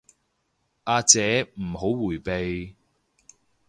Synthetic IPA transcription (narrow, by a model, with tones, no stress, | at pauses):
ʔaː˧t͡sɛː˨˥m̩˨˩ho˨˥wwuː˨˩jpe˨j